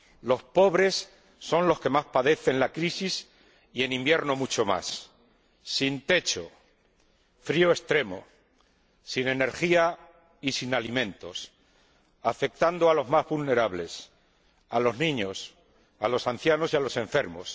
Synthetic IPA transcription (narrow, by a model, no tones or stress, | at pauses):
lo̞spo̞βɾe̞sː | o̞nlo̞ske̞maspaðe̞θe̞nlakɾisis | ie̞nĩmbje̞ɾno̞mut͡ʃo̞ma̰sː | int̪e̞t͡ʃo̞ | fɾioe̞st̪ɾe̞mo̞̰ | sine̞ne̞ɾxia | isinalimẽ̞nt̪o̞s | afe̞k̚t̪and̪oalo̞zmazβulne̞ɾaβle̞s | alo̞znĩɲo̞s | alo̞san̟θjano̞sialo̞sẽ̞ɱfe̞ɾmo̞̰s